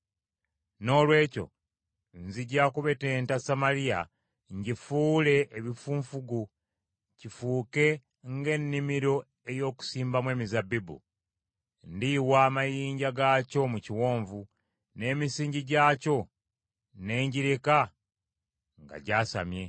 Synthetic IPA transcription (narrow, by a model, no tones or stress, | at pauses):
no̞ːlwe̞ːco̞̰ | nziɟaːkuβe̞te̞ːntasamalija̰ | ɲɟifuːle̞ʔːβifuːɱfuɡu | cifuːke̞ | ŋɡe̞nːimiɾo̞ | e̞jo̞ːku̥siːmbamwe̞ːmizabibṵ | ndiwaːmajiːɲɟaɡaco̞muciwo̞ːɱvu | ne̞ːmisiːɲɟiɟaːco̞ | ne̞ːɲɟiɾika | ŋɡa̰ɟaːsa̰mje̞